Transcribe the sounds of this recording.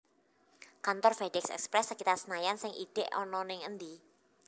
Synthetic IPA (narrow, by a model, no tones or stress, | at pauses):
kant̪ɔrfɛdɛksɛ̰kspɾɛsːəkit̪arsənajansɪŋʔḭd̥ɛʔɔnɔnɪŋənd̪i